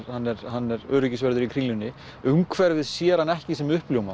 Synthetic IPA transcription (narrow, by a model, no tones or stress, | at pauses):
ɾhanːɛɾhanːɛɾœːɾʏcɪsvɛɾðʏɾikʰɾiːlʏnːɪ | ʏŋkʰvɛɾvɪðsjɛːɾhanːɛhcɪs̬ɛmʏhpljoːwma